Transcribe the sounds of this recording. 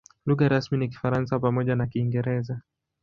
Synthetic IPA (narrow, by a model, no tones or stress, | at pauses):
luɣaɾasminik̬i̥faɾansapamɔʄanakiːŋɡɛɾɛza